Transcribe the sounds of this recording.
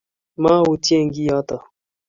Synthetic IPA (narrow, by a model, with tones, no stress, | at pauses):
ma˦wu˨tjɛ˦˨ŋ˦ɡi˦jɔ˦tɔ˨